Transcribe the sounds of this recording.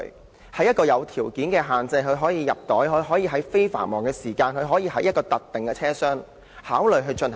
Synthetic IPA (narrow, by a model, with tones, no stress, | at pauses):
hɐ˨˥jɐ˥t̚kɔː˧jɐ˨˧wt̪ʰiː˨˩wkiː˨˥nkɛː˧ɦaː˨˩nt͡sɐ˧jɦɵ˨˧ɥɦɔː˨˥jiː˨˧jɐ˨p̚t̪ɔː˨˥jhɵ˨˧ɦɔː˨˥jiː˧ɦɐ˨˥jfe˥jfa̰ː˨˩nmɔː˨˩ŋkɛː˧siː˨˩kaː˧nkɵ˨˧ɥɦɔː˨˥jiː˨˧hɐ˨˥jt̚kɔː˧t̪ɐ˨k̚t̪ɪ˨˩ŋkɛː˧t͡sʰɛː˥sœː˥ŋ | haː˨˥wlɵ˨jɦɵ˧t͡ʃɵ˧n